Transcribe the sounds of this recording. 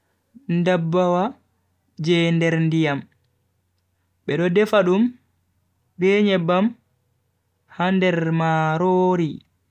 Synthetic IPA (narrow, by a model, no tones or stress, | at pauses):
ndabːawa | d͡ʒɛndɛɾndijam | ɓɛɗɔdɛfaɗum | bɛːɲɛbam | handɛɾmaɾoːɾi